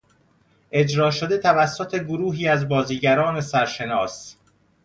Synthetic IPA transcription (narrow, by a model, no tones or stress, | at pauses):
ʔe̞d͡ʒɾɒːʃod̪e̞t̪ʰævæsːot̪ʰeɡoɾuːɦiːæzbɒːziːɟæɾɒːne̞sæɾʃe̞nɒːs